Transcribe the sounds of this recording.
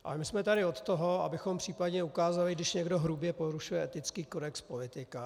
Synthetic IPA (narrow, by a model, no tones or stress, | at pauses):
ʔʔa̰lɛmɪsmɛt̪aɾɪo̞t̪t̪oɦo̞a̰bɪxompr̝̥iːpadɲɛukaːzalɪɡdɪʃɲɛɡdo̞ɦɾubjɛpoɾuʃujɛʔɛt̪ɪt͡skiːkodɛkspo̞lɪt̪ɪka